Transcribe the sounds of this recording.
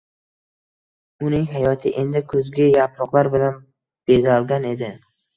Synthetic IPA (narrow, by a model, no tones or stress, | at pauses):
ʊnɪŋɦajɒt̪ʰɪʔend̪ɪkʰɵzɡʲɪjapɾɒqlˠaɾbɪlan | b̥e̞zalˠɡʲane̞d̪ɪ